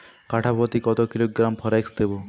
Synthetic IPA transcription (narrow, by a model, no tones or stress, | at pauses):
kaʈʰapɔt̪ikɔt̪okiloɡɾampʰɔɾeksd̪ebo